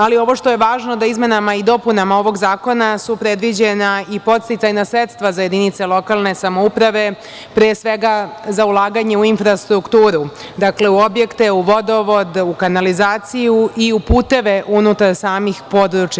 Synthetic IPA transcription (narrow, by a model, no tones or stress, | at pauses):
alio̞ʋo̞ʃt̪o̞je̞ʋaːʒnod̪aizme̞namaid̪o̞punamao̞ʋo̞ɡzaːko̞nasupɾed̪ʋid͡ʑenaipo̞t̪st̪it̪sajnasɾet̪st̪ʋazaje̞d̪init̪selo̞kalˠne̞samoupɾaʋe̞ | pɾesʋe̞ɡazaulˠaːɡaɲe̞uinfɾast̪ɾukt̪uːɾu | d̪akle̞uo̞bje̞kt̪e̞uʋo̞d̪o̞ʋo̞d̪ukanalizaːt̪sijuiupuːt̪e̞ʋe̞ʔunut̪aɾsaːmixpo̞d̪ɾut͡ʃja